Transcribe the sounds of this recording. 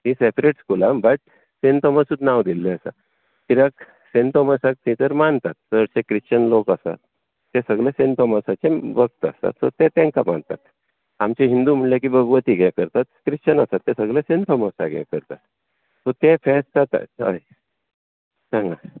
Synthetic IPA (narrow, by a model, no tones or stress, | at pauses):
ɦĩsepɾeʈskulãbəʈ | sent̪ɔməsut̪naʋd̪ilːeəsa̰ | t̪iɾək | sent̪ɔməsak̚t̪ĩt̪əɾmaɳt̪at̪̚səɽsekɾist͡ɕənlokəsa̰t̪̚ː | esəɡlasent̪ɔmasat͡ɕebəɡ̚t̪a̰sa̰t̪sɔ̰t̪et̪ɛ̃ŋkama̰ɳt̪a̰t̪ | amt͡ɕeɦind̪um̤əɳljakibʱəɡʋət̪iɡɛ̃kəɾt̪at̪kɾit͡ɕənasat̪ːẽsəɡlesẽnt̪ʰɔməsa̰ɡɛ̰kəɾt̪a̰t̪ | sɔt̪ẽfɛst̪at̪a̰ə̰j | sãŋɡa